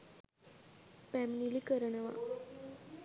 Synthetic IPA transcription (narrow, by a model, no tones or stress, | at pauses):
pæminilikəɾənəʋa̰